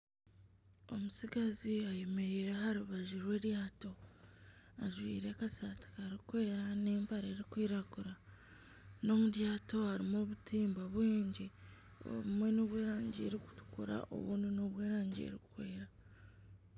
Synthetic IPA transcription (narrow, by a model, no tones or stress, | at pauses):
o̞musiɡaziajeme̞ɾiːɾeɦaɾuβaʒiɾwe̞ːɾjaːto̞ | aʒwḭːɾe̞kasati̥kaɾikwe̞ːɾaneːmpaɾe̞ːɾikwiːɾakuɾa | no̞muɾjaːto̞haɾimo̞ːβutʰiːmbaβwiːɲɟi | o̰βumwe̞noβwe̞ːɾaːɲɟḛɾiku̥tu̥kuɾa̰ʔo̞̰βṵːndino̞βwe̞ːɾaːɲɟḛɾiku̥kwe̞ːɾa